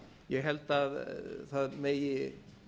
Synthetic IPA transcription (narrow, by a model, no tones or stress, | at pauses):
jɛɦɛlt̪aðθaðmɛj